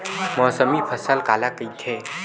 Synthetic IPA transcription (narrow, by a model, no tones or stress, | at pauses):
mɔːsəmipʰəsəlkaːlakəit̪ʰeː